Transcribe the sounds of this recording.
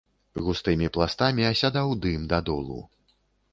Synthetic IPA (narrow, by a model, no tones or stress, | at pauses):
ɣust̪ɨmʲiplˠast̪amʲiasʲad̪awd̪ɨmd̪ad̪ɔlˠṵ